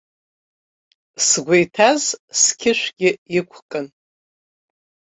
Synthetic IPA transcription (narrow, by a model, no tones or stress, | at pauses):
sɡʷejtʰazskʲʰɪʃʷɡʲɪikʷʰkʼɨn